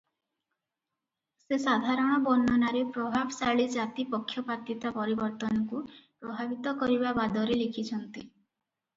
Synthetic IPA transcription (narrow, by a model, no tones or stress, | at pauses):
sesad̪ʱaɾɔɽ̃ɔbɔnːɔnaɾepɾɔbʱabɔsaɭid͡ʒat̪ipɔkʰːjɔpat̪it̪apɔɾibɔɾt̪ɔnɔkupɾɔbʱabit̪ɔkɔɾibabad̪ɔɾelekʰit͡ʃʰɔnt̪i